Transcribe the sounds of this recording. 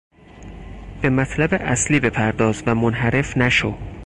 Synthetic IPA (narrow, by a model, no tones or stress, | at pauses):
b̥e̞mæt̪ʰlæbeʔæsliːbe̞pʰæɾd̪ɒːzvæmonɦæɾe̞fnæʃo